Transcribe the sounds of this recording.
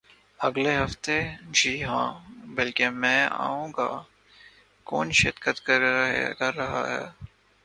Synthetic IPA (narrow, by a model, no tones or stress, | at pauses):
ɐɡleɦɐft̪ed͡ʒʱiːɦãːbɐlkemɛ̃ːa̰ːũːɡa̰ː | kɔ̰ːnʃɪɾkət̪ | kɐɾːɐɦa̰ɦɛ̰ː